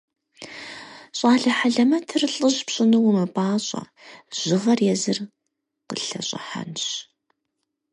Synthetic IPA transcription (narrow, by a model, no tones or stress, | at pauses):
ɕʼɑːɮɐħaɮɐmɐtʰɨrɬʼɨʑpɕʼɪnɨwmɐpʼaːɕʼɐ̰ | ʑ̥ɨʁɐrjɛzɨr | qəɬɐ̰ɕʼɐ̰ħa̰nɕ